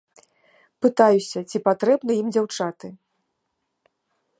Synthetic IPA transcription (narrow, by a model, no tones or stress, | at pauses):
pɨt̪ajusʲɐt͡sʲipat̪ɾɛbn̪ɐimd͡zʲawt͡ʂat̪ɨ